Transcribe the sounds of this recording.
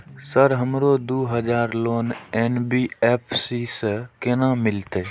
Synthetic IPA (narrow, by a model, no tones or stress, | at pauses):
səɾɦəmɾod̪oːɦəd͡ʒaːɾloːneːnbiːeːpʰsisəkenãmɪlt̪eː